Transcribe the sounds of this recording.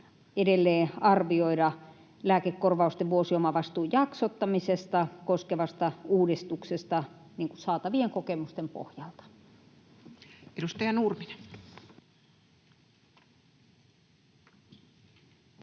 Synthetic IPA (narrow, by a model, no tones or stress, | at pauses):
edelːeːɑrʋioiɾɑ | læːkekːorʋɑˑust̪eʋʋuosiomɑʋɑst̪uːjjɑksot̪ːɑmisest̪ɑkoskeʋɑst̪ɑuːdist̪uksest̪ɑniːŋkusɑːt̪ɑʋieŋkokemust̪empo̰hjɑlt̪ɑ̥ | eɾust̪ɑjɑnurmine